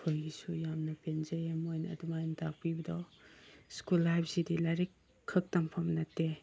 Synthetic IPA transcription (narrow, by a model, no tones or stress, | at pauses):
kʰojɡisujamnɐpenzejamojnɐ̰ːdumajntʰak̚pibɐdɔ | skulːajp̚ʰsidilaɾikʰː | ɯk̚tampʰamnɐtːe